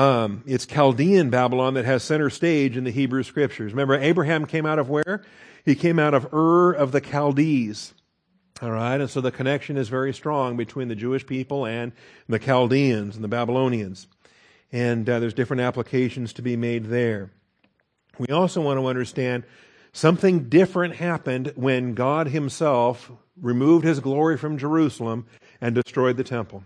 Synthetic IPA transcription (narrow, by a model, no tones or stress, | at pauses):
ɪtskʰælˠdiɨ̃nbæbəlɑ̃nðɨt̚ɦɨz̥sɛ̃ɾ̃ə˞steɪd͡ʒɨ̃nðɨɦibɹʉskɹɪp̚t͡ʃə˞zɹɨmɛ̃mbə˞eɪbɹɨɦæ̃mkʰẽɪ̃maʊɾʌvwə˞ | ikʰẽɪ̃maʊɾʌvɜ˞ʌvðɨkʰælˠdiz̥ | ɔlˠɹaɪɾɨ̃nsoʊðɨkʰɨnɛkʃɨ̃nɨzvɛɹistɹ̥ɔ̃ŋbɨtʰw̥ĩnðɨd͡ʒʉɨʃpʰipl̩ˠɨ̃nðɨkʰælˠdiɨ̃nzn̩ðɨbæbəlõʊ̃niɨ̃nz̥ | ɨ̃nðə˞zdɪfɹɨ̃ntæpləkʰeɪʃn̩z̥tʰɨbimeɪd̪̚ðə˞ | wiɔlˠsoʊwɑ̃ñəʌ̃ndə˞stæ̃nd | sʌ̃mθɪ̃ŋdɪfɹɨ̃nʔ̚hæpɨ̃ndwɨ̃nɡɑd̚ɨ̃msɛlˠf | ɹɨmuvd̚hɨzɡlɔɹifɹʌ̃md͡ʒə˞ʉsl̩ˠə̃m | ɨ̃ndɨstɹ̥ɔɪd̪̚ðɨtʰɛ̃mpl̩ˠ